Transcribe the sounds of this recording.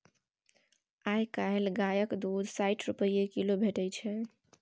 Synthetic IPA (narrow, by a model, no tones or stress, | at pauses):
ajkaɦelɡajəkd̪ud̪ʱsajʈʰɾupəjekilobʱeʈəjt͡ʃʰɛ